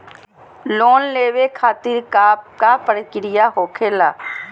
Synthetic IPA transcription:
loːnleːʋekʰaːt̪ɪɾkːkapəɾɪkɾɪjaɦoːkʰeːlaː

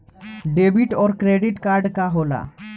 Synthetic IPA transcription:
ɖeːbɪʈɔːɾkɾeːɖɪʈkaːɾɖkaɦoːla̰ː

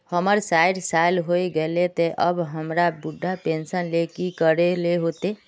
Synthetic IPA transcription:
həməɾsaɪɖsajlɦoiɡəlet̪eʔəbɦəmɾabuɖʱːapẽnsənlekikəɾeleɦot̪e

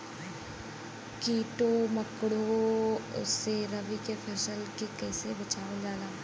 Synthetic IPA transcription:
kiːʈoːməkɽoʊ̰sːeɾəʋikepʰəsəlkekɛːsebət͡ʃaːʋəld͡ʒaːlaː

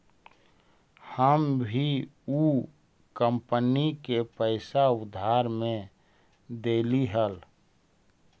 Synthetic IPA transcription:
həmbʱiuː | kəmpənikepəɪsaʊd̪ʱːaːɾmẽ | d̪eːliɦəl

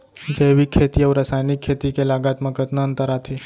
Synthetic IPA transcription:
d͡ʒeʋikʰːet̪iəʋɾəsajnikʰːet̪ikelaɡat̪məkət̪nəənt̪əɾat̪ʰe

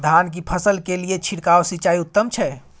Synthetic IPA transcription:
d̪ʱankipʰəsəlkelijet͡ʃʰiɽkawsit͡ʃaiut̪ːəmt͡ʃʰɛ

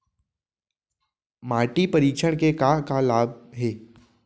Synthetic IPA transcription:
maːɾʈipəɾiːkʃəɽ̃kekakalaːb̚ɦeː

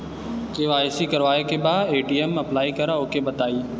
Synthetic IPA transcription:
keʋaːɪsikɐɾʋaːekebaːeːʈiːemɐplaːikəɾaoːkebət̪aːiː

